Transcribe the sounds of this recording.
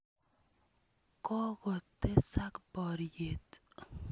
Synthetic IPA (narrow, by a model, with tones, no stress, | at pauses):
kɔ˦ɣɔ˨t̪ːe˦sa˦kbɔɾjet̪